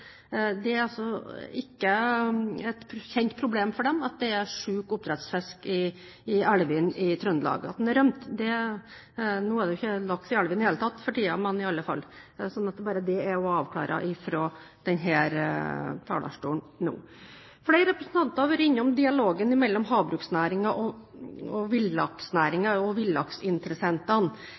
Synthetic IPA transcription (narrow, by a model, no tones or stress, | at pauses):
d̪ɛæɾɑsɔɪkːə | ɛt̪çɛnt̪pʰɾʊbleːmfɔɖɛmɑt̪̚d̪ɛæʂʉːkʊp̚t̪ʰɾɛt̪sfɛskɪː | ælʋɪnɪt̪ʰɾœnəlɑ̰ːɡəɑt̪̚d̪ɛnæɾœmt̪d̪ɛ | nuːæɖ̪ɛjʊɪçːəlɑk̚t̪ɪælʋɪnɪheːlət̪ʰɑt̪ːfɔʈiːɑmɛnɪɑlːəfɑ̰lːsɔnːɑt̪d̪bɑːɾəd̪ɛæɔɑːʋkʰlɑ̰ːɾɑ̰ʔɪfɾoː | d̪̥ɛnɦæːɾt̪ʰɑ̰ːlɑ̰ʂʈuːɳ | nṵː | flɛɪɾəɾɛpɾəsən̩t̪ɑnt̪ɑɾʋøːɾɪɲːəɔmd̪ɪɑloːɡənɪmɛlːɔmɦɑːbɾʉːksnæːɾɪŋɑʔɔɔʋɪlɑksnæːɾɪŋɑɔʋɪlːɑksɪnt̪əɾəsɛnt̪ɑn